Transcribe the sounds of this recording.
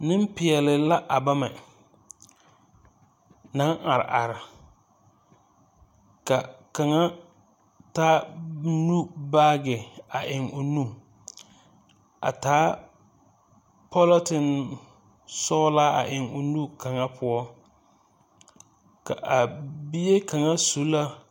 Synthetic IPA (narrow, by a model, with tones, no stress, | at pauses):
nɪ̃˦m˦pɪ˨ɛ˨lɪ˨la˦ʔa˨ba˦mɛ˨ | nã˦ŋa˨ɾɪ̰˨ʔa˨ɾɪ˨ | ka˨ka˨ŋa˦ | taː˦nu˦baː˦ɡɪ˨a˨ʔɪ˨ŋo˨nũ˦ | a̰˨taː˨˦ | pʰɔ˦lɔ˦tɪ˨n | sɔ˦la˦a̰˨ʔɪ˨ŋʊ˨nu˦ka˨ŋa˦pʰʊ˦ɔ˦ | ka̰˨ʔa˨bi˦je˦ka˨ŋa˦su˨˦la˦